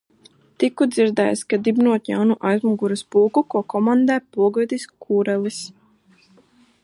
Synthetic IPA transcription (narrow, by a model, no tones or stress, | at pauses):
t̪ikud̪ziɾd̪ɛ̰jskad̪ibnuɔt̪jawnuʔajzmuɡuɾɨspuːkukuɔkɔmand̪ɛːpuɔɡɨd̪iskʰuːɾɛlˠis